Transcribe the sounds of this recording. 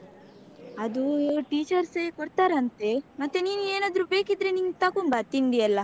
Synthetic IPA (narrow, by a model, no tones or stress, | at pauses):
ɐd̪uʈiːt͡ʃɐɾsekoɾt̪aːɾɐnt̪e̞mɐt̪ːeniːnueːnaːd̪ɾubeːkid̪ɾeniŋɡt̪akumbɐt̪iɳɖiɐlːɐ